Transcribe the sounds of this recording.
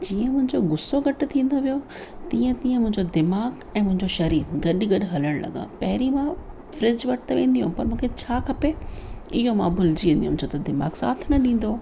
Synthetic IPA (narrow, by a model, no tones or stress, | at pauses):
d͡ʑiːə̃mʊ̃ɦɪ̃ɲd͡ʑoɡʊsːoɡɐʈ̆t̪ʰĩːn̆d̪oʋijo | t̪iːə̃t̪ĩːə̃mʊ̃ɦɪ̃ɲd͡ʑod̪ɪmaːɣ | ɛ̃ːmʊ̃ɦɪ̃ɲd͡ʑoʃɐɾiːɾɡɐɗɡɐɗɪɦɐləɽ̃lɐ̰ɡã̰pɐɦɪɾimã | fɾɪd͡ʑʋɐʈɪt̪ʋẽːnd̪iɦũpɐɾmũːkʰet͡ɕʰaːkʰɐpeɪɦomãbʊld͡ʑiʋẽːnd̪iɦũnt͡ɕʰot̪ɐd̪ɪma̰ːɡsa̰ːt̪ʰnɐɗĩːn̆d̪o